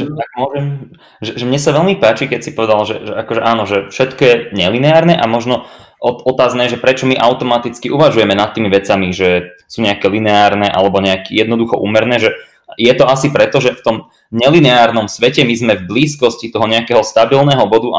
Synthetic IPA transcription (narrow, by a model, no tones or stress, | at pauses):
ʒɛt̪aɡ̚mʊɔʒɛm | ʒɛʒɛmɲɛsaʋɛlmipaːt͡ʃikɛcsipɔʋɛd̪alʒɛʒɛakɔʒɛʔaːnɔʒɛfʃɛt̪kɔjɛɲɛlinɛaːɾnɛʔamɔʒnɔ | ɔɔt̪aːznɛːʒɛpɾɛt͡ʃɔmiʔaʊt̪ɔmat̪it͡skiʔuʋaʒujɛmɛnat̪ːiːmiʋɛt͡samiʒɛsuːɲɛakɛːlinɛaːɾnɛːʔa̰lɛbɔɲɛakijɛd̪nɔd̪uxɔʔṵːmɛɾnɛːʒɛ | jɛt̪ɔasipɾɛt̪ɔʒɛft̪ɔm | ɲɛlinɛaːɾnɔmsʋɛcɛmizmɛvbliːskɔscit̪ɔɦɔɲɛakɛːɦɔst̪abilnɛːɦɔbɔd̪uʔa̰